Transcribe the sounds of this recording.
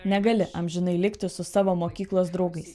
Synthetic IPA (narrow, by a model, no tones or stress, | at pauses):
nʲɛɡɐlʲɪʔɐmʲʒʲɪnɐɪlʲɪkt̪ʲɪsʊsɑːʋoːmoːkʲiːklˠoːs̬d̪ɾɒʊɡɐɪs